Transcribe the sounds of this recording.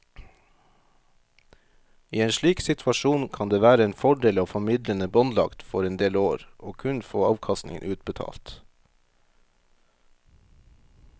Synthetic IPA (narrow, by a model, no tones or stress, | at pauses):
iːeːnʃɭiːksɪt̪ʰʋɑʃuːnkʰɑnd̪eːʋæːɾəeːnfɔɖeːlɑːfɔmɪd̪ɾənəbɔnlɑ̰kt̪fɔɾɛnd̪eːloːɾʔoːkʰʉnfoːɑːʋkʰɑst̪nɪ̰ŋə̰nʉːt̪̚bət̪ʰɑ̰ːlt̪